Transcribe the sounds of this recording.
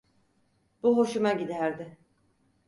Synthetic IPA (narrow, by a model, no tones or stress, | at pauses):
b̥uɦo̞ʃumaɟid̪æɾd̪ɪ